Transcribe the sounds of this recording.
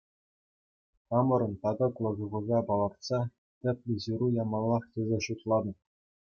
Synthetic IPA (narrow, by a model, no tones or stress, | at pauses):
t̪ɑmɤ̆ɾɤ̆nt̪ɑd̪ɤ̆klˠɤ̆zɤ̆ʁɤ̆zɑpɑlˠɑrt̪sɑ | t̪ʲɘ̆pʲlʲɘ̆ʑuɾujɑmɑlˠːɑχtʲĕzʲeɕut̪lˠɑd̪ɤ̆